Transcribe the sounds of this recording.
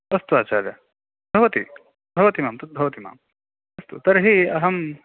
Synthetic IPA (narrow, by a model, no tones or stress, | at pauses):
ɐst̪uaːt͡ʃaːɾjɐ | bʱɐʋɐt̪ḭ | bʱɐʋɐt̪imaːmt̪ɐt̪̚bʱɐʋɐt̪ima̰ːm | ɐst̪ut̪ɐɾɦiɐɦɐm